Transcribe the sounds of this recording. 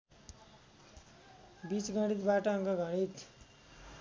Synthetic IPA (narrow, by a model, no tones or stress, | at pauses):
bit͡sɡʱʌɽ̃it̪baʈʌʌŋɡʌɡʱʌɽ̃it̪